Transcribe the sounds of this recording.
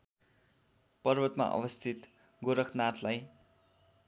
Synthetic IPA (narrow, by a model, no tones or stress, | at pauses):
pʌrbʌt̪ma̰ʔʌ̰bʌst̪ʰit̪ | ɡoɾʌkʰnat̪laj